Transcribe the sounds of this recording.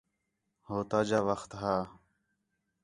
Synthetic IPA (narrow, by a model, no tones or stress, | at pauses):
hoːt̪aːd͡ʒaːʋəxt̪ɦaː